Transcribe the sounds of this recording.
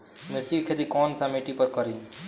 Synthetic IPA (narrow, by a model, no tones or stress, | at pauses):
mɪɾt͡ʃikʰed̪ikɔːnsãmeʈipəɾkəɾiː